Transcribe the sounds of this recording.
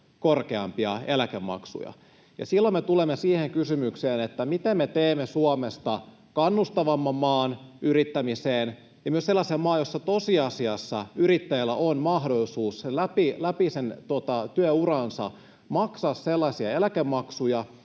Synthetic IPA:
korkeɑ̰mpiɑelækemːɑ̰ksṵjɑ̰ | jɑ̰silːomet̪ulemːesiːheŋkysymykseːnet̪ːæmit̪emːet̪eːmːesuomest̪ɑ | kɑnːust̪ɑʋɑmːɑmmɑːnyrit̪ːæmiseːn | jɑmyøselːɑsiɑmɑːjosːɑt̪osiɑsiɑsːɑyɾit̪ːæjilːæ̰ʔonmɑhdolisuːsselæpilæpisent̪uot̪ɑt̪yøurɑnsɑ̰ | mɑksɑsselːɑsiɑelækemːɑksujɑ

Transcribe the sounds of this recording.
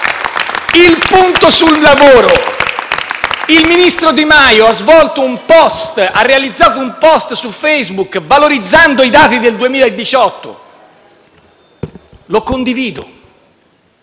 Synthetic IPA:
ilpunt̪osulːavoːɾo | ilminist̪ɾod̪imajoazvɔlt̪oumpɔst̪arːealid̪zːaːt̪oumpɔst̪sufejzbukvaloɾid̪zːand̪oid̪aːt̪id̪eld̪uemiːlaed̪ːit͡ʃɔt̪ːo̰ | lokːond̪iviːd̪o̰

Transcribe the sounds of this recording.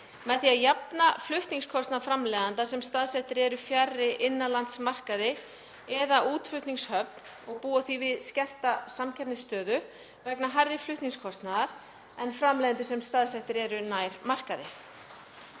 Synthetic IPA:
mɛðθiaðjapnaflʏht̪niŋskʰɔst̪naðafɾamlɛðant̪asɛmst̪aðsɛht̪ɪɾɛɾʏfjarːɪʔɪnːalant̪smar̥kaðɪ | ɛðaʔuːt̪fʏht̪niŋshœpn | ɔɣpuːaθivɪðscɛr̥t̪asamcʰɛpnɪst̪œːðʏ | vɛknaɦajrːɪflʏht̪niŋskʰɔst̪naðaɾ̥ | ɛnfɾamlɛðant̪̬ʏsɛmst̪aðsɛht̪ɪɾɛɾʏnaːjɾmar̥kaðɪ

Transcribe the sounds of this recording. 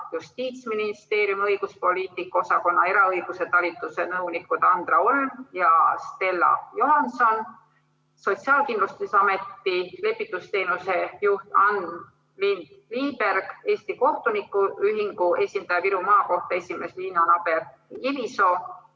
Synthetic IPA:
just̪iːt̪sminist̪e̞ːɾjumɤ̞jɡ̥uspo̞lʲiːt̪ˑikːˑɑo̞sɑko̞nːɑ̰e̞ɾɑɤjɡ̥use̞t̪ɑlʲit̪ːˑuse̞nɤwnikːˑud̪̥ɑnd̪̥rɑoljɑst̪e̞lːɑ̰jo̞ɦɑnso̞n | so̞t̪siɑːlkinlust̪isɑme̞t̪ːile̞pːˑit̪ːˑust̪e̞ːnuse̞juht̪ɑn | lind̪̥liːbe̞rɡ̥e̞ːst̪iko̞ht̪unikːˑuyɦiŋɡ̥ue̞sʲind̪ɑjɑpiɾumɑːko̞ht̪ɑe̞sʲime̞sliːnonɑb̥e̞r | kiviso̞

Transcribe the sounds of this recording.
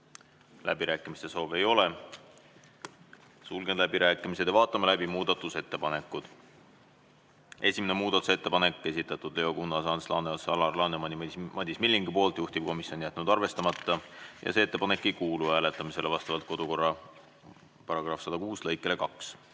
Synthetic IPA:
lʔæ̰biɾæːkːˑimist̪e̞so̞ːve̞jo̞le | sulɡ̥ed̪læbiɾæːkːˑimise̞d̪̥evɑːt̪ːˑɑmɑlæbimuːd̪̥ɑt̪ːˑuse̞t̪ːe̞pɑne̞kːˑud̪̥ | e̞sʲime̞ne̞muːd̪̥ɑt̪ːu̥se̞t̪ːe̞pɑnekːe̞sʲit̪ˑːɑt̪ːˑud̪̥leokunːɑsɑnslɑ̰nesɑlɑrlɑnemɑnimɑd̪ʲismilʲːiŋɡ̥ipo̞ːlt̪juht̪ib̥̚ko̞misjo̞nijæt̪ːˑnud̪̥ɑrve̞st̪ɑmɑt̪ːɑjɑ̰se̞et̪ːe̞pɑne̞kːˑejkuːluæːle̞t̪ːˑɑmise̞levɑst̪ɑvɑlt̪̚ko̞d̪̥uko̞rːɑ | pɑɾɑɡ̥rɑfsɑd̪̥ɑkuːslɤjkːˑe̞le̞kɑks

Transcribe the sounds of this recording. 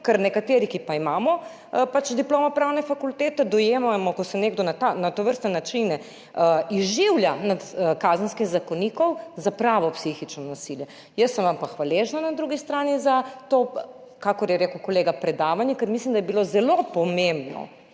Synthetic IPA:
kəɾnɛkat̪eːɾikipaimaːmɔ | pat͡ʃd̪iploːmɔpɾaːwnɛfakult̪eːt̪ɛd̪ɔjeːmamɔkɔsɛneːɡd̪ɔnat̪anat̪oʋəɾst̪nɛnat͡ʃinɛ | izʒiwljanat̪kazənskixzakoniːkɔwzapɾaːʋɔpsixit͡ʃnɔnasiljɛ | jəsːəmʋampaxʋaleːʒnanad̪ɾuɡist̪ɾaːnizat̪o | kakɔɾjɛɾeːkəwkɔleːɡapɾɛd̪aːʋanjɛkəɾmislimd̪ajɛbilozɛlopɔmembnɔ̰

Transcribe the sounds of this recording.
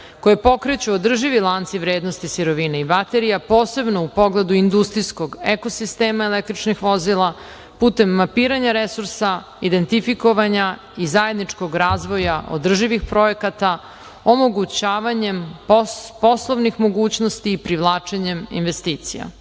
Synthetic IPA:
kojepo̞kɾet͡ɕuod̪r̩ʒiʋilˠant̪siʋɾeːd̪nost̪isiɾo̞ʋineibat̪e̞ɾijapo̞ːse̞bno̞upo̞ɡle̞d̪uind̪ust̪ɾijsko̞ɡeko̞sist̪eːmaelek̚t̪ɾit͡ʃnixʋo̞zilˠa | puːt̪e̞mːapiːɾaɲaɾesuɾsa | id̪e̞nt̪ifiko̞ʋaɲa | izaje̞d̪nit͡ʂko̞ɡɾaːzʋo̞jaʔo̰d̪r̩ʒiʋixpɾo̞je̞kat̪a | omo̞ɡut͡ɕaːʋaɲe̞m | po̞slˠoʋnixmo̞ɡuːt͡ɕnost̪iːpɾiʋlˠaːt͡ʂeɲe̞mḭnʋe̞st̪iːt̪sija̰

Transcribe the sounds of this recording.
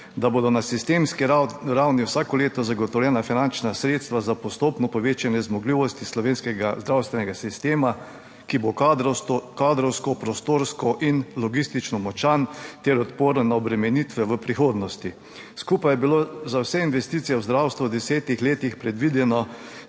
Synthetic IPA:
d̪aboːd̪ɔnasist̪eːmskiɾawniwsaːkɔleːt̪ɔzaɡɔt̪ɔwlʲjɛːnafinant͡ʃnasɾeːt̪st̪ʋazapɔst̪oːpnɔpɔʋeːt͡ʃanjɛzmɔɡliːʋɔst̪islɔʋeːnskɛɡazd̪ɾawst̪ʋɛnɛɡasist̪eːma | kibo | kaːd̪ɾɔwskɔpɾɔst̪oːɾskɔʔinlɔɡist̪it͡ʃnɔmɔt͡ʃant̪ɛɾɔt̪poːɾɔnaɔbɾɛmɛnit̪ʋɛʋəpɾixoːd̪nɔst̪i | skupajɛbilozawsɛinʋɛst̪iːt̪sijɛwzd̪ɾawst̪ʋuwd̪ɛsɛːt̪ixleːt̪ixpɾɛd̪ʋid̪ɛnɔ

